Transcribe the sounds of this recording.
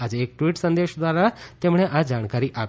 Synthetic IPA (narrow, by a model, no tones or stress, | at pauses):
ad͡ʒeek̚ʈʋiʈsənd̪eʃd̪ʋaɾat̪emɽ̃eʔad͡ʒaɽ̃kaɾiʔap